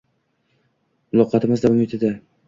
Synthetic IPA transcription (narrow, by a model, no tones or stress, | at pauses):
mʊlˠɒqʰɑt̪ʰɪmɪzd̪amɪt̪ʰɪd̪a